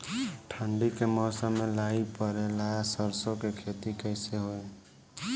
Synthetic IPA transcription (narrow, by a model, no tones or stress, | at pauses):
ʈʰaɳɖikemɔːsamelaipəɾelajasəɾsokekʰet̪ikəɪseɦoe